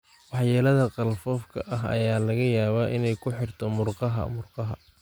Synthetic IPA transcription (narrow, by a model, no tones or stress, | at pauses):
wɑħjɛːlɐðɐqɑlfɔːfkʰɐʔɐɦɐ̰jaːlɐɣɐjaːβaːʔɪnɛjkʰʊħɪrt̪ʰɔmʊrqɑɦɐ̰mʊrqɑɦɐ̰